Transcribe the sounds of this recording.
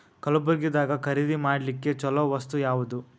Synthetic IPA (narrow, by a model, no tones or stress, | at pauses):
kɐlubɐɡid̪aːɡɐkʰɐɾid̪imaːɽlikːet͡ʃɔlɐʋɐst̪ujaːʋud̪u